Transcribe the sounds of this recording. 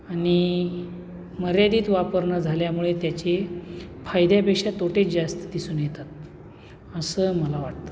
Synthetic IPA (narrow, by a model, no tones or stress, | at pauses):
aɽ̃i | məɾjad̪iːt̪ʋapəɾɳəd͡zʱaljamuɭet̪jat͡ɕefʰajd̪japekʂat̪oʈet͡sd͡ʑast̪əd̪isuːnjet̪at̪̚ | əsəməlaʋaʈ̚t̪ə̥